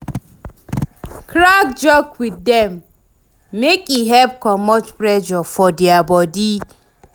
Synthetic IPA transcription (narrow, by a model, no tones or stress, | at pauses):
kɾak̚d͡ʒɔkwiddɛmː | ekiɦɛp̚kɔmɔt͡ʃpɾɛd͡ʒɔfɔdiabɔdi